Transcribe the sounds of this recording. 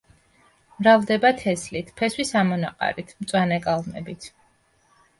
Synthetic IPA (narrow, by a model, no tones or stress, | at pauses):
mɾavd̪ɛbat̪ʰɛslit̪ʰpʰɛswisamɔna̰qʼa̰ɾit̪ʰmt̪sʼwanɛkʼalˠmɛ̰bit̪ʰ